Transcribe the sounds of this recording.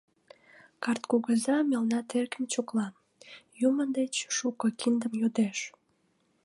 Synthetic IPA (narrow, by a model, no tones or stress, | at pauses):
kɑrt̪kuɣəzɑmelnɑt̪erɣəmt͡ɕoklɑ | jumənd̪et͡ɕʃukəkind̪əmjod̪eʃ